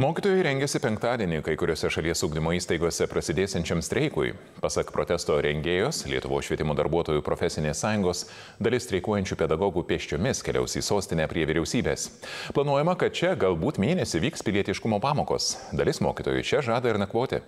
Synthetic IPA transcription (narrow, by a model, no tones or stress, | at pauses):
moːkʲit̪oːjɛɪɾʲɛŋʲɡʲɛsʲɪpʲɛŋkt̪ɑːd̪ʲiɛnʲɪkɐɪkʊɾʲoːsʲɛʃɐlʲiɛsʊːɡd̪ʲɪmoːiːst̪ɐɪɡoɔsʲɛpɾɐsʲɪd̪ʲeːsʲɛnʲt͡ʃʲɛmst̪ʲɾʲɛɪkʊ̰j | pɑsɐkpɾo̰t̪ʲɛst̪oːɾʲɛŋʲɡʲeːjoːslʲiɛt̪ʊʋoːsʃʋʲiɛt̪ʲɪmoːd̪ɐ̰ɾbuɔt̪oːjuːpɾofʲɛsʲɪnʲeːsːɑːjʊŋɡoːs | d̪ɐlʲɪst̪ʲɾʲɛɪkuɔjɛnʲt͡ʃʲuːpʲɛd̪ɐɡɔɡuːpʲeːʃʲt͡ʃʲoːmʲɪskʲɛ̰lʲɛ̰ʊsʲḭːsoːsʲt̪ʲɪnʲɛpʲɾʲiɛʋʲɪɾʲɛʊsʲiːbʲeːsplˠɐnuɔjɛmɐkɐt̪̚t͡ʃʲɛɡɐlˠbuːt̪mʲeːnʲɛsʲɪʋʲiːkspʲɪlʲiɛt̪ʲɪʃkʊmoːpɑːmoːko̰ːsd̪ɐlʲɪsmo̰ːkʲit̪oːjṵɪt͡ʃʲɛʒɑːd̪ɐɪɾnʲɛkʋoːt̪ʲɪ̰